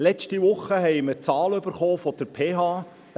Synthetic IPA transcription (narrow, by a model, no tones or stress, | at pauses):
lɛt͡ʃtiʋʊχːəɦɛɪməɾt͡sɑːlʏbəɾχoːfɔd̥əɾpʰeːɦɑ̥ː